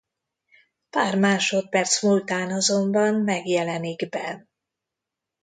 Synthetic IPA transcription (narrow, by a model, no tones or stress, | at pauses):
paːrmaːʃo̞t̪̚pɛrt̪smult̪aːnɒzo̞mbɒnmɛɡjɛlɛniɡbɛ